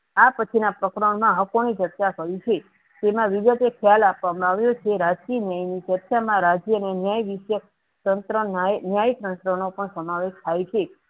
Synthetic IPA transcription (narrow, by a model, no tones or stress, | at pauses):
apət͡ʃʰinapɾəkɾəɳmãɦəkoñid͡ʒət̪t͡ʃakəɾit͡ʃʰe | d͡ʒ̪emãʋiɡət̪ekʰjalapʋamãaʋjot͡ʃʰeɾad͡ʒkinjajnid͡ʒətʃamãɾad͡ʒjənenjajʋiʃjə | t̪ənt̪ɾənnjajt̪ənt̪ɾənopəɳsəmaʋeʃt̪ʰajt͡ʃʰe